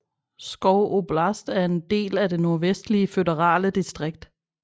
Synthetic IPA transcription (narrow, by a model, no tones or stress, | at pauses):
sɡ̥ɒʊʔob̥lɑsd̥æɐe̝nd̥e̝̰ːlæd̥e̝no̝ɐʋesd̥liəfødɐʁɑ̰̈ːləd̥isd̥ʁeɡ̥̚d̥